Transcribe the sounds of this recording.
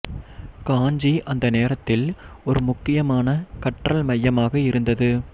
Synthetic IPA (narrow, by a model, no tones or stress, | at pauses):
kaːɲd͡ʒiʔɐnd̪ɐneːɾɐt̪ːɪlɔɾɯmʊkːɪjɐmaːnɐkɐʈrɐlmɐjːɐmaːɣɐɪɾɯnd̪ɐðɯ